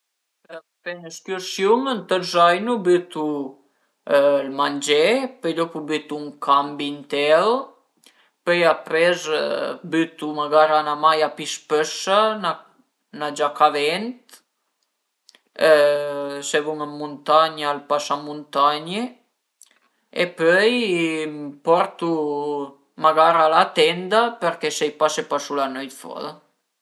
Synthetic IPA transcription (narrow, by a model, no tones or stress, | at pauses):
pɛnəskɔɾsjunənt̪əɾzajnubyt̪u | lmand͡ʑɛpɛʎɔpubyt̪uŋkʰambint̪ɛl | pɛjapɾɛzbyt̪uməɡaɾanamajapiʃpəʃə | nad͡ʒakavɛnt̪ | sevuŋamːunt̪aɲalpasamunt̪aɲe | ḛpøj | pɔɾt̪u | maɡaɾalat̪ɛnd̪apəɾkɛsejpasepasulanœjt̪fɔ̰ða